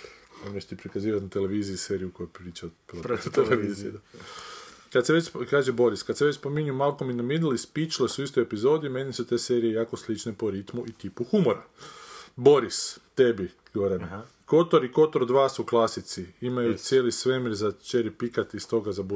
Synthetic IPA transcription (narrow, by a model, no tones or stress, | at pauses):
oneʃt̪ipɾikaziːʋat̪nat̪e̞le̞ʋiːziise̞ːɾijukojepɾiːt͡ʃaopɾot̪eleizi | kad̪seʋet͡ʃkaːʒebo̞ɾiskad̪seʋet͡ɕspo̞miɲumalˠkominomid̪lispit͡ʃlesuist̪ojepizo̞d̪ime̞nisut̪e̞ːse̞ːɾije̞jaːko̞slit͡ʃnepo̞ɾit̪muʔit̪ipuxumoɾa | bo̞ɾist̪e̞bi | ɡooɾen | ko̞t̪oɾiko̞t̪oɾd̪ʋaːsuklˠasit̪siimajut̪sʲje̞ːlisʋe̞miɾzat͡ʃeɾipikat̪ist̪o̞ɡazab